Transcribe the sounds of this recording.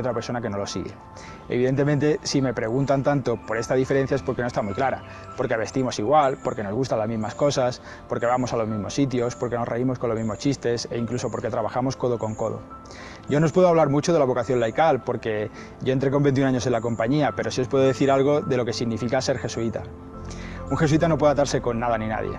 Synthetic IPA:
ot̪ɾapeɾso̞nake̞no̞lo̞siɣe̞̰ | ḛβiðe̞nt̪̬e̞mẽnt̪e̞sime̞pɾe̞ɣ̞unt̪ant̪ant̪o̞po̞ɾe̞st̪aðife̞ɾen̟θjaespo̞ɾkenost̪amujklaɾa̰ | po̞ɾkeβe̞st̪imo̞siɣwalpo̞ɾke̞no̞zɣust̪alazmizmasko̞sas | po̞ɾke̞βamo̞salo̞zmizmo̞sːit̪̬jo̞spo̞ɾke̞no̞reimo̞sko̞nlomizmo̞st͡ʃist̪e̞se̞iŋkluso̞po̞ɾke̞t̪ɾaβaxamo̞sko̞ð̞o̞ko̞ŋko̞ðo̰ | ɟ͡ʝo̞no̞speðoaβlaɾmut͡ʃo̞ðe̞laβo̞kaθjo̞nlajkalpo̞ɾke̞ | ɟ͡ʝo̞ent̪ɾe̞ko̞mbe̞nt̪junaɲo̞se̞nlako̞mpaɲiape̞ɾo̞siopweðoðe̞θiɾalɣ̞o̞ðe̞lo̞ke̞siɣnifikase̞ɾxe̞suit̪a̰ | uŋxes̬uit̪anopweðat̪aɾse̞ko̞nːað̞anĩna̰ðjḛ

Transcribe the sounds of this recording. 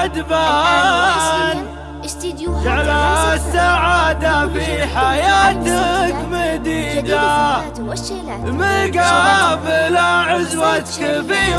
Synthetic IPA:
d̪ba | ʕalasːaʕaːd̪afiħajaːt̪akmad̪iːd̪a | mɪɡabɪlaʕʊzwat̪kabiː

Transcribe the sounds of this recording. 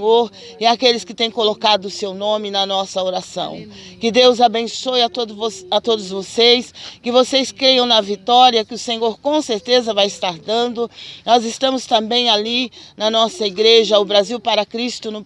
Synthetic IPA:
oɾ | ɪakelɪskɪt̪ẽj̃kolokad̪ʊʊsewnõmɪnɐnɔsɐoɾasɐ̰̃w̃kɪd̪ewzabẽsojɐt̪oat̪od̪ʊzvosejskɪvosejskɾejɐ̃w̃nɐvit̪ɔɾiɐkɪʊsẽɲoɾkõseɾt̪ezɐvajɪst̪aɾd̪ɐ̃nd̪ʊnɔzɪst̪ɐ̃mʊst̪ɐ̃mbẽj̃alinɐnɔsɐiɡɾeʒɐʊbɾaziwpaɾɐkɾist̪ʊnʊ

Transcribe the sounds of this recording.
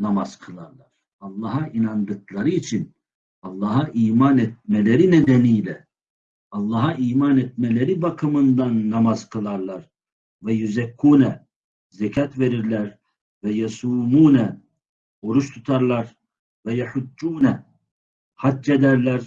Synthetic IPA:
namaz̥kʰɯlˠaɾlˠaɾ̥ | ɑlˠːɑːɦaʔinand̪ɯklˠaɾɯit͡ʃʰin | ɑlˠːɑːɦaʔiːmanɛt̪̚melʲe̞ɾined̪enijlʲɛ | ɑlˠːɑːɦaʔiːmanɛt̪̚me̞lʲeɾibakʰɯmɯnd̪anːamazkʰɯlˠaɾlˠaɾ | vɛjuzɛkʰːuːnɛ | zɛcʰat̪ve̞ɾiɾlʲæɾ | vɛjasuːmuːnɛ | o̞ɾuʃt̪ʰut̪ʰaɾlˠaɾ | vɛjaħud͡ʒːuːnɛ | hadd͡ʒed̪æɾlʲæɾ̥

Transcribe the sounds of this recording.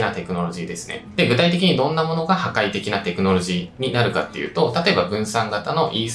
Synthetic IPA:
nat̪e̞kɯ̟no̞ɾo̞ʑiːd̪e̞sɨ̥ne̞̰d̪e̞ɡɯ̟t̪ait̪e̞kʲiɲ̟id̪õ̞nːamo̞no̞ɡahakait̪e̞kʲinat̪e̞kɯ̟no̞ɾo̞ʑiːɲ̟inaɾɯ̟ka̰t̪ːe̞jɯ̟̰ːt̪o̞t̪at̪o̞e̞babɯ̟̃ɰ̃sãŋɡat̪ano̞ʔiːs

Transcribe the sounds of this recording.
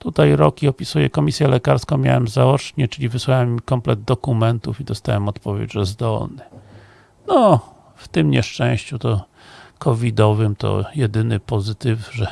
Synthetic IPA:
t̪ut̪ajɾɔkʲiɔpʲisujɛ̰kɔmʲisʲjɛlɛkaɾskɔ̃w̃mʲja̰wɛmzawɔt͡ʂɲɛt͡ʂɘlʲivɘswawɛmːʲikɔmplɛd̪̚d̪ɔkumɛnt̪ufid̪ɔst̪a̰wɛmɔt̪pɔvʲjḛd͡ʑʐɛzd̪ɔ̰lnɘ | nɔ | ft̪ɘmɲɛʂt͡ʂɛ̃w̃ɕt͡ɕut̪ɔ | kʰɔvʲid̪ɔvɘmt̪ɔ̰jɛd̪ɘnɘpɔzɘt̪ɘfʐɛ

